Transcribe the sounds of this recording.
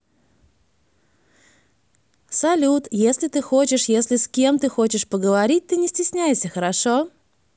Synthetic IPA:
sɐlʲut̪jesʲlʲɪt̪ɨxot͡ɕɪʂjesʲlʲɪskʲe̞mt̪ɨxot͡ɕɪʂpəɡəvɐɾʲit̚ʲt̪ɨnʲɪsʲtʲɪsʲnʲæjɪʂsʲəxəɾɐʂo

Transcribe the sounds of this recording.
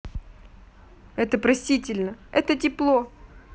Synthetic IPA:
ɛt̪əpɾɐsʲtʲitʲɪlʲnəɛ̰t̪ətʲɪplˠo

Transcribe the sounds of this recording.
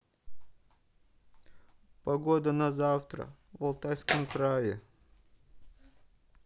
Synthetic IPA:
pɐɡo̞d̪ənɐzaft̪ɾə̰vɐlˠt̪ajskəmkɾajɪ

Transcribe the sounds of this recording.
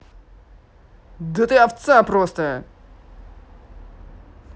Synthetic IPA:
d̪ət̪ɨaft̪sapɾɔst̪ə

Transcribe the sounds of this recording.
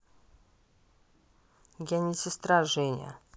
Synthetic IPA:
ɡʲanʲɪsʲɪst̪ɾaʐɛnʲa̰

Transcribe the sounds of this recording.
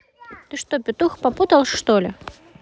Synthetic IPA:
t̪ɨʂt̪opʲɪt̪uxpɐput̪ɐlˠʂt̪olʲɪ

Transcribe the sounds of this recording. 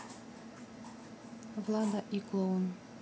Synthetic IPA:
vlˠɑd̪aʔiklˠon

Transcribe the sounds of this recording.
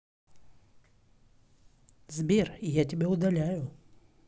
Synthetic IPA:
zbʲerijatʲɪbʲeʊd̪ɐlʲæjʊ

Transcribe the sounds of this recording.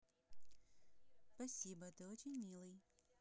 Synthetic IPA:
spɐsʲibət̪ɨot͡ɕɪnʲmʲilˠɨj

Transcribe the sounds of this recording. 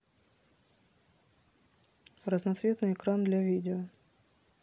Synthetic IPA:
rəznɐt̪svʲe̞t̪nɨjɛkɾand̪lʲɐvʲidʲɪɔ

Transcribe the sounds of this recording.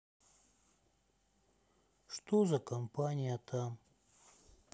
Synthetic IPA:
ʂt̪ozakampanʲijat̪ʰam

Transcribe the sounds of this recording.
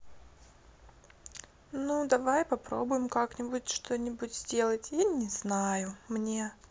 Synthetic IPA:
nud̪ɐvajpɐpɾo̰bʊjɪmkaknʲɪbʊtʲʂt̪o̞nʲɪbʊtʲzʲdʲe̞lˠətʲjanʲɪznajʊmnʲe

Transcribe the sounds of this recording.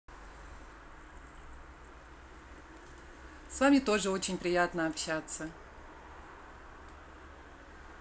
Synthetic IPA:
svamʲɪt̪o̞ʐɨo̞t͡ɕɪnʲpɾʲɪjat̪nəɐpɕat̪sə

